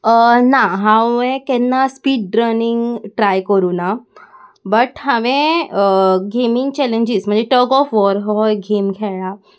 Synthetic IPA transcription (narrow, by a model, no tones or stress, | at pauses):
ənaɦãẽkɛ̃nːaspiːɖ̚ːɾəniŋɡʈɾajkəɾuːna | bəʈɦãʋẽəɡʱemiŋɡ̚t͡ɕɛleɲd͡ʑism̤əɳd͡zeʈəɡɔfʋɔɾɦɔɡʱemɡʱɛɭa